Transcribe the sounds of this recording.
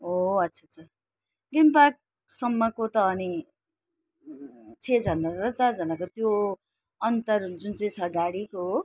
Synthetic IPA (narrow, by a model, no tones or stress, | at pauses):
ɦoʌtːsʰʌʌt͡sʰʌ | ɡinpak̚ | sʌmːʌkot̪ʌːni | t͡sʰed͡zʱʌnʌrʌt͡sard͡zʌnakot̪jo | ʌnt̪ʌrd͡zunt͡sʌj̃t͡sʰʌɡaɽiko